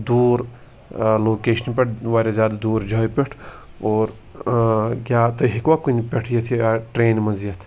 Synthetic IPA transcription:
d̪uːɾ | loːkeːʃənpeʈʰʋaːɾʲazjaːd̪ad̪uːɾd͡ʒʱɐːjpʲeʈʰ | oːɾ | ɡʲaːt̪oɦikʋakunipʲeʈʰjɐt̪ʰiaʈɾeːnmɐzijɐt̪ʰ

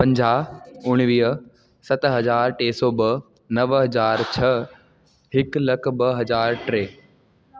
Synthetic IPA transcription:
pɐ̃ɲd͡ʑaːʊɽ̃ʋiːɦə | sɐt̪ɦɐzaːɾʈeːsɔːbɐ | nɐʋɦɐzaːɾt͡ɕʰɐ | ɦɪklɐkbɐɦɐzaːɾʈɾeː

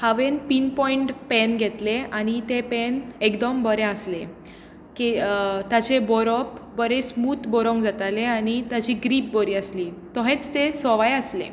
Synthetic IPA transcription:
haʋenpinpɔiɳʈpɛnɡʱet̪leañit̪epenekd̪əmbəɾeəsle | kit̪at͡ɕebɔɾɔpbəɾesmuːt̪bɔɾɔ̃ŋɡd͡zat̪aleañit̪at͡ɕiɡɾiːp̚bɔɾiːəsliː | t̪ɔɦet͡st̪esɔʋajəslḛ

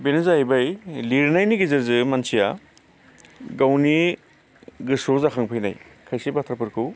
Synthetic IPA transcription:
benɯzajbɐjliɾnajniɡizɐɾzɯmɐnsʰija | ɡawni | ɡɯsozakʰaŋpʰɯjna̰jkʰajsebat̪ʰɾapɯɾkʰɯ

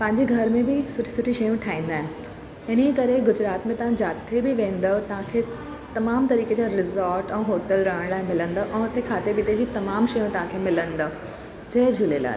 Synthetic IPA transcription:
pɐ̃ɦɪ̃ɲd͡ʑeɡʱɐɾmẽbɪsʊʈʰi̥sʊʈʰiʃɐjũʈʰaːĩːn̆d̪aːɦɪnɪ̆ | ɪnekɐɾeɡʊd͡ʑɾaːt̪mẽt̪ɐʋ̤ãd͡ʑaːt̪ebɪʋẽːn̆d̪ot̪ɐɦãkʰe | t̪ɐmaːmt̪ɐɾiːked͡ʑaɾɪzoːɾʈɛ̃ːɦoːʈəlɾaəɽ̃laːemɪlə̃nd̪oʔɛ̃ːʊt̪ekʰaːt̪ebɪt̪ed͡ʑiːt̪ɐmaːmʃɐjũt̪ɐɦãkʰemɪlə̃nd̪o | d͡ʑɐɦd͡ʑʱulela̰ː

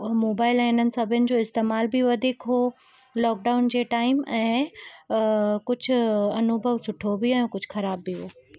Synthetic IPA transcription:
moːbaːɪlɛ̃ːɪnənɪ̆sɐbʱɪjənɪ̆d͡ʑoːɪst̪eːmaːlbiʋɐd̪ʱiːkɦo | lɔːk̚ɖaːʊnd͡ʑeːʈaːɪmɛ̃ː | kʊd͡ʑʱʊ̆ɐnʊbʱəʋsʊʈʰobiɛ̃ːkʊd͡ʑʱʊxɐɾaːbːiɦoː

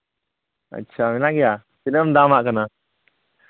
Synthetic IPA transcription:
ɐ̰tːɕʰaminaɡija | pinəmd̪amaʔkəna

